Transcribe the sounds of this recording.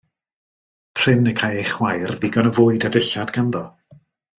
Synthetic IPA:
pʰr̥ɪnəkʰajejχwajrðɪɡɔnəvoːɨdadəɬadɡanðɔ

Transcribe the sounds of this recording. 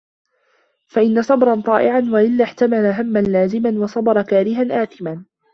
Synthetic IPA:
faʔɪnːasˤɑbɾˤɑnt̪ˤɑːʔɪʕanwaʔɪlːaːħt̪amalaɦamːanlaːzɪmanwɑsˤɑbɑɾˤɑkaːɾɪɦanʔaːθɪmaː

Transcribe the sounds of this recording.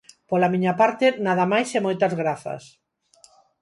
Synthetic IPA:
polamiɲapaɾt̪enaðɐmajsɛmojt̪ɐzɣɾaθɐ̰s

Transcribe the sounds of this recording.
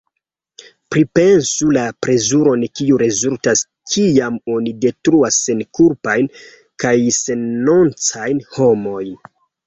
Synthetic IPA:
pɾipe̞nsulapɾe̞zuɾo̞nkiuɾe̞zultas | kʰiamo̞nide̞tɾuasːenkuɾpajn | kajse̞nːont͡sajnho̞mo̞jn

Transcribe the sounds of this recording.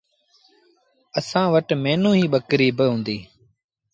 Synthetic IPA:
əsãːʋəʈmeːnũːɦiːɓəkɾiːbəɦʊ̃ːnd̪iː

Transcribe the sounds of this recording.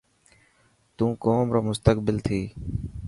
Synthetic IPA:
t̪ũːkoːmɾoːmʊst̪əkbɪlt̪ʰiː

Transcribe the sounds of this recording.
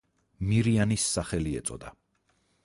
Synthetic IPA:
miɾianisːaχɛliɛt̪sʼɔ̰d̪a

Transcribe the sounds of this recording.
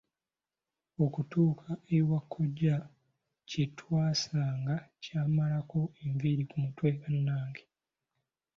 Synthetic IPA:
o̞kutuːkʰaewakʰːo̞ɟːa | citʰwaːsaːŋɡacaːmalako̞eɱviɾikumutweɡanːaːŋɡe̥

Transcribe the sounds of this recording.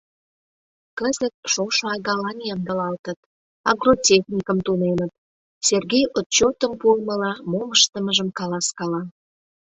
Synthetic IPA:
kəzət̪̚ʃoʃoɑɣɑlɑnʲjɑmd̪ə̆lɑlt̪ət̪ | ɑɡrotʲexnʲikəmt̪unenət̪̚ | serɣejot̪̚t͡ɕot̪əmpuəməlɑmoməʃt̪əməʒəmkɑlɑskɑlɑ

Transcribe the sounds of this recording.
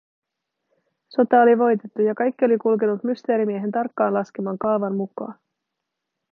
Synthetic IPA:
so̞t̪ɑoliʋo̞jt̪e̞t̪ːujɑkɑjkːio̞likulke̞nut̪myst̪e̞ːɾimieɦe̞nt̪ɑrkːɑːnlɑskemɑːŋkɑlʋɑnmukˑɑ̰ːn

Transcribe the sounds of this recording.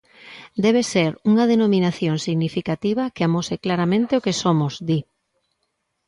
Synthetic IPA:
d̪ɛβ̞eseɾuŋɐðenominaθjoŋsiɣnifikat̪iβ̞ɐkeamoseklaɾamẽnt̪eokesomʊzd̪i

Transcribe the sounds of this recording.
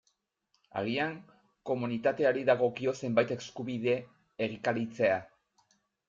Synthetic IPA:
a̰ɣiaŋ | ko̞munit̪at̪e̞aɾiðaɣ̞o̞kio̞se̞mbajt̪e̞skuβiðe̞ː | ɣikaɾit͡se̞a

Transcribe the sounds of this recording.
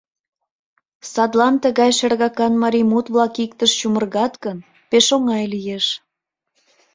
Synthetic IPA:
sɑd̪lɑnt̪əɣɑjʃerɣɑkɑnmɑɾimut̪βlɑkikt̪əʃt͡ɕumərɣɑt̪kən | peʃoŋɑjlijeʃ

